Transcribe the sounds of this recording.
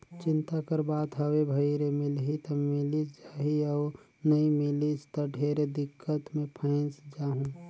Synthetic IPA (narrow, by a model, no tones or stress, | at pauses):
t͡ʃɪnt̪akəɾbaːt̪ɦəwebʱəiɾemɪlɦit̪əmɪlit͡ʃd͡ʒaːɦiɔː | nəĩmɪlit͡ʃt̪əɖʱeɾed̪ɪkʰːət̪mẽpʰə̃ɪt͡ʃd͡ʒaːɦũː